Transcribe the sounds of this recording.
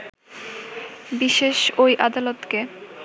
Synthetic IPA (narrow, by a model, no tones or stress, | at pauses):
biʃeʃojʔad̪alot̪ke